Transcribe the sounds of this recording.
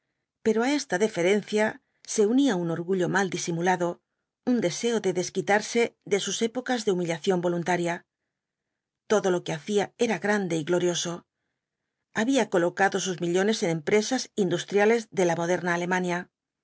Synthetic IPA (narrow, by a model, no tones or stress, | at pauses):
pe̞ɾoae̞st̪aðefe̞ɾe̞n̟θja | se̞uniauno̞ɾɣuʎo̞mald̪isimulaðo̞ | und̪e̞se̞oðe̞ðe̞skit̪aɾse̞ðe̞suse̞po̞kazðe̞umiʎaθjo̞mbo̞lunt̪aɾja | t̪o̞ðo̞lo̞ke̞aθiae̞ɾaɣɾand̪e̞iɣlo̞ɾjo̞so̞ | aβiako̞lo̞kaðo̞suzmiʎo̞ne̞se̞nẽ̞mpɾe̞sasind̪ust̪ɾjale̞zðe̞lamo̞ð̞e̞ɾnaːle̞mãnja